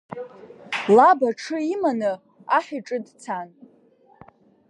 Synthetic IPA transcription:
labaʈ͡ʂʰɨimanɨ | aħᶣɪʈ͡ʂʼɨdt͡sʰan

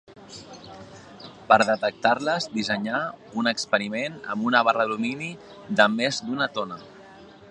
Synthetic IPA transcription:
pəɾðət̪ək̚t̪aɾləzd̪izəɲaunəkspəɾimenə̰mbunəβ̞arəlumini | ðəmezd̪unət̪onə

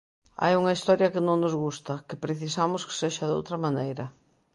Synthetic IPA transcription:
a̰juŋɐist̪ɔɾjɐkɪnõŋnozɣust̪ɐkɪpɾeθisamʊskɪ̥seʃɐðowt̪ɾɐmanejɾɐ

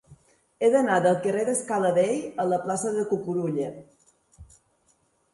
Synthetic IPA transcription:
eðənaðəlˠkəreðəskaləβejələplasəðəkukuɾuʎə

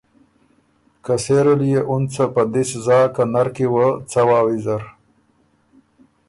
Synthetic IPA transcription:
kaseɾulijeʔunt͡sapad̪iszaːkanaɾkiwət͡sawaːwizaɾ

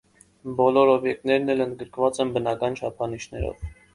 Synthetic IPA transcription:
bɔlɔɾɔbjɛk̚t̪nɛɾnɛlənd̪̚ɡəɾkʰvɑt͡sɛnbənɑkɑnt͡ʃʰɑpʰɑniʃnɛɾɔ̰v

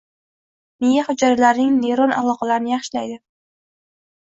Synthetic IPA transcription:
nejahʊd͡ʒaɾalaɾnɪŋneɾona̰lˠɒqʰɑlaɾɪnɪjɑχʃɪlajd̪ɪ

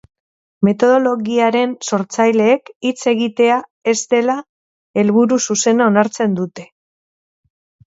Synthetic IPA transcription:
me̞t̪o̞ðo̞lo̞ɣiaɾe̞nso̞ɾt͡sajle̞ːkit͡se̞ɣit̪e̞ae̞zt̪e̞la | e̞lβuɾususe̞nao̞naɾt͡se̞nd̪ut̪e̞

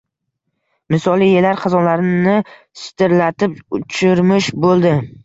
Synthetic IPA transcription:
mɪsɒlˠijelaɾqʰɑzɒnlaɾɪnɪ | sɪ̥t̪ʰɪɾlat̪ɪpʊt͡ʃʰɪɾmɪʃbolˠd̪ɪ

